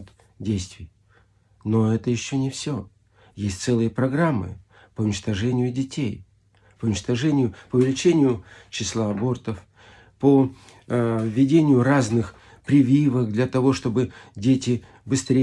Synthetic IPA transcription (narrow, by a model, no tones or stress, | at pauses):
t̪ | dʲejst̪vʲɪj | no̞ɛt̪əjɪɕːonʲɪfsʲo | jesʲtʲt̪sɛlˠɨjəpɾɐɡɾamːɨ̰ | pəʊnʲɪt͡ɕt̪ɐʐɛnʲɪjʊdʲɪtʲʰej | pəʊnʲɪt͡ɕt̪ɐʐɛnʲɪjʊpəʊvʲɪlʲɪt͡ɕenʲɪjʊt͡ɕɪslˠaɐbo̞rt̪əf | po | vʲːɪdʲenʲɪjʊraznɨx | pɾʲɪvʲivəkd̪lʲɐt̪ɐvo̞ʂt̪o̞bɨdʲetʲɪ | bɨst̪ɾʲe